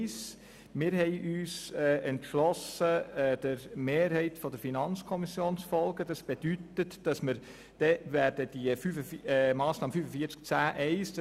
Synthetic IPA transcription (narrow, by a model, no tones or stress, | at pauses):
s | mɪːɾɦɛɪʔyːsɛʔɛntʃlɔsəd̥əɾmeːɾɦɛɪtfɔd̥əɾfinɑnt͡skʰɔmisjoːnsfɔlɡəd̥ɑsb̥ed̥ytətd̥ɑsməɾ | d̥ɛvæːɾd̥əd̥iəfyfəmɑːsnɑːməfyfəfiəɾt͡sk̚t͡sæːʔɛɪsd̥